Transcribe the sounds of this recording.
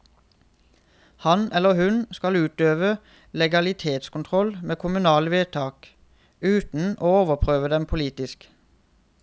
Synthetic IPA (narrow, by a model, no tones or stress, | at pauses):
hɑnʔɛləʁhʉnskɑlʉːt̪øːʋə | lɛɡɑlɪt̪ʰeːt̪skʊnt̪ʰʁɔlmeːkʰʊmʉnɑːləʋeːt̪ʰɑːk | ʉːt̪n̩oːoːʋəʁpʰʁøːʋəd̪ɛmpʰʊliːt̪ɪsk